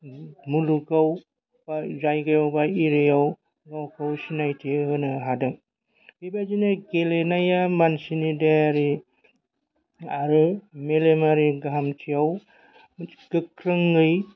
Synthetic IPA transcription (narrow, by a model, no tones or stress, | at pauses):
muluɡaw | b̥azajɡɯjawbaiɾɯjaw | lɔwkʰawsinajtʰihɯnɯɦadɯŋ | b̥ebad͡ʒinɯɡelenajamansinidaaɾi | aɾɯmelemaɾiɡaɦamtʰijaw | ɡ̥ɯkɾɯŋːɯj